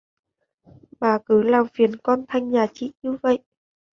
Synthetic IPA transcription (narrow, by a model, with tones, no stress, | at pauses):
ɓaː˨˩kɨ˨˦laː˨˩mfi˨˩ənkɔ˧nt̪ʰa˧˩jŋ̟ɲaː˨˩t͡ɕḭ˧˨ɲɨ˧və̰˧˨jʔ